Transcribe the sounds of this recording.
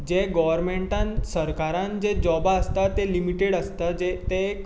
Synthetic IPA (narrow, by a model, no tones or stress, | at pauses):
d͡ʑeɡɔʋəɾmeɳʈãnsəɾkaɾãnd͡ʑed͡ʑɔbaəst̪at̪elimiʈeɽəst̪ad͡ʑet̪eːk